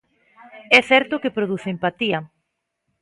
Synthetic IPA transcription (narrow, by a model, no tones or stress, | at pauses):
ɛθɛɾt̪okepɾoðuθeempat̪iɐ